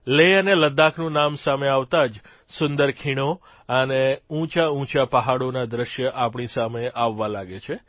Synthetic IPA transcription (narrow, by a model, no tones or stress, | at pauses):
leəneləd̪akʰnũnamsameaʋt̪ad͡ʒ | sʊnd̪əɾkʰiɽ̃o | əneũt͡ʃaũt͡ʃapəɦaɽonad̪ɾəʃjəʔapɳisameʔaʋːãlaɡet͡ʃʰe